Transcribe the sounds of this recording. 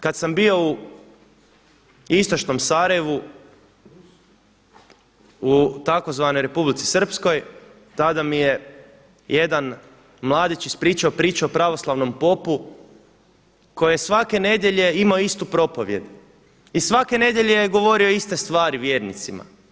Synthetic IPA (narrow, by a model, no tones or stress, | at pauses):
kad̪sambio̞u | ist̪o̞t͡ʃno̞msaːɾajeʋu | ut̪ako̞zʋano̞jɾe̞publit̪si̥sr̩psko̞j | t̪ad̪amije̞ | jed̪an | mlˠaːd̪it͡ʃispɾiːt͡ʃaopɾiːt͡ʃuopɾaʋo̞slˠaʋno̞mpo̞pu | ko̞jejesʋake̞ne̞d̪jeʎe̞imaoist̪upɾo̞po̞ʋje̞d̪ | isʋake̞ne̞d̪ʲjeʎe̞jeɡo̞ʋo̞ɾio̞ist̪e̞st̪ʋaːɾiʋjeːɾnit̪sima̰